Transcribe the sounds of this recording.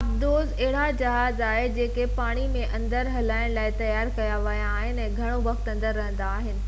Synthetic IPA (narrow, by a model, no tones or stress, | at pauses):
ɐbd̪oːzɐɦɪɽ̤ad͡ʑɐɦaːzaːɦed͡ʑeːkepaːɽ̃imẽʔɐ̃nd̪əɾɦɐlaːɪɽ̃laːɪt̪ɐjaːɾkɐjaʋɐijaːɦɪnɛ̃ːɡʱɐɽ̃oʋɐxt̪ɐ̃nd̪əɾːɐɦə̃nd̪aːɦɪnɪ̆